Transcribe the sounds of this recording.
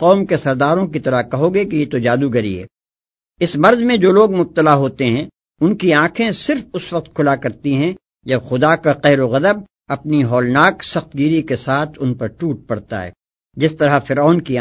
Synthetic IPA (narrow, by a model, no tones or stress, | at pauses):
qɔːmkesɐɾd̪aːɾõkit̪ɐɾakɐɦoːɡekijet̪od͡ʒaːd̪uɡɐɾiḛː | ɪsmɐɾzmẽd͡ʒoːloːɡmʊb̚t̪əlaɦoːt̪eɦɛ̃ | ʊnkiãːkʰẽsɪɾfʊsʋɐq̚t̪kʰʊlakɐɾt̪iɦɛ̃ | d͡ʒɐbxʊd̪akaqɛɦɾoɣɐd̪əb̚ | ɐpniɦɔːlnaːksɐxt̪̚ɡiːɾikesaːt̪ʰʊnpɐɾʈuːʈ̚pɐɽt̪a̰ɦɛ̰ː | d͡ʒɪst̪ɐɾafɪɾaːnkia